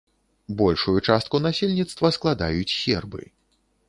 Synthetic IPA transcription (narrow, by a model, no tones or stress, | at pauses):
bɔlʲʂujut͡ʂast̪kunasʲelʲnʲit̪st̪vɐsklˠad̪ajut͡sʲsʲɛrbɨ̰